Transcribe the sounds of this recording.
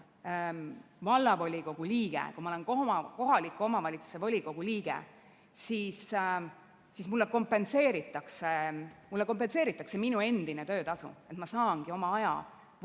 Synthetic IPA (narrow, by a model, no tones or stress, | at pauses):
vɑlːɑvo̞lʲiɡ̥o̞ɡ̥uliːɡ̥ḛkumɑole̞nkoko̞ɦɑlikːˑuo̞mɑvɑlʲit̪su̥se̞volʲiɡ̥o̞ɡ̥uliːɡ̥ḛ | siːs | sismulːeko̞mpːe̞nse̞ːɾit̪ːˑɑkse̞mulːeko̞mp̬ːense̞ːɾit̪ːˑɑkse̞minue̞nd̪̥inet̪ø̞ːt̪ɑsṵe̞t̪mɑsɑːŋɡ̥io̞mɑɑjɑ̰